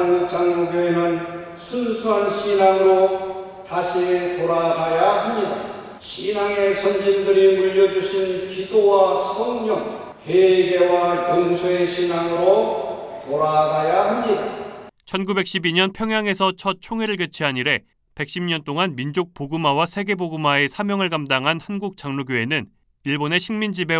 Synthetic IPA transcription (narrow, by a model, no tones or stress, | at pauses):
ŋ̚t͡ɕaŋjʌŋɡjoenɯn | sʰunsʰuɦanɕʰinaŋɯɾo | taɕʰitoɾaɡajaɦamɲida | ɕʰinaŋe̞sʰʌnd͡ʑindɯɾimuʎːʌd͡ʑuɕʰinkidowasʰʌŋɲʌŋ | heɡe̞wajʌnsʰoeɕʰinaŋɯɾotoɾaɡajaɦamɲidat͡ɕʰʌnɡube̞k̚ɕ͈ʰibiɲʌnpʰjʌŋɦjaŋe̞sʰʌt͡ɕʰʌt̚t͡ɕʰoŋeɾɯɭɡet͡ɕʰiɦaɲiɾe̞ | pe̞k̚ɕ͈imɲʌnt͈oŋanmind͡ʑok̚poɡɯmawasʰe̞ɡe̞boɡɯmaesʰamjʌŋɯɭɡamdaŋɦanhanɡuk̚t͡ɕ͈aŋnuɡjoe̞nɯn | iɭbone̞ɕʰiŋmind͡ʑibe̞